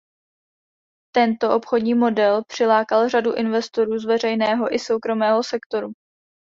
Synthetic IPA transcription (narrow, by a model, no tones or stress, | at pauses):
t̪ɛnt̪o̞ʔo̞pxo̞dɲiːmo̞dɛlpr̝̥ɪlaːkalraduʔɪnvɛst̪o̞ɾuːzvɛr̝ɛjnɛːɦo̞ʔɪso̞wkɾo̞mɛːɦo̞sɛkt̪o̞ɾu